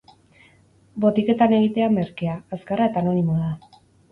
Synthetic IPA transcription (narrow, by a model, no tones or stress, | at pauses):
bo̞t̪ike̞t̪ane̞ɣ̞it̪e̞ame̞ɾkeaːskarae̞t̪aːno̞nimoða